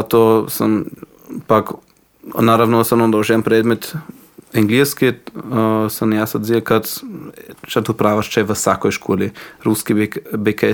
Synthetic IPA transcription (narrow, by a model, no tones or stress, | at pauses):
at̪osəm | pak | naɾavnɔsamnɔmd̪aoʒɛampɾɛd̪mɛt̪ | ɛŋɡliski | səmjasad̪ziakat̪ | ʃat̪upɾaʋaʃt͡ʃɛʋəsakɔjʃkʰoliɾuskibɛk